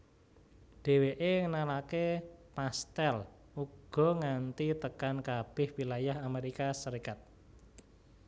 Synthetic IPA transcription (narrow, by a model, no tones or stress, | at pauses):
ɖ̥e̤weʔeŋənalakepast̪ɛl | uɡɡ̥ɔ̤ŋant̪it̪əkankab̥ɪ̤hwilajahameɾikasəɾikat̪̚